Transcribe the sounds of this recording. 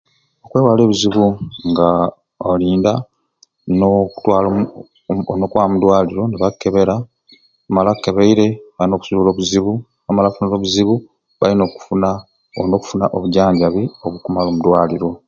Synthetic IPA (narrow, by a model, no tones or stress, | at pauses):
okwe̞ːwaleːβuziβuŋɡa | oliːnda | noku̥twalo | nokwamudwaːliɾo̞neβakːe̞βe̞ɾa | malakːeβeiɾe̞βalino̞ːku̥suulo̞ːβuziβu | amalafunoɾo̞ːβuziβu | βa̰lino̞ːku̥funa | noku̥funaʔoβuɟaːɲɟaβio̞βukumaloːmudwaːliɾo̞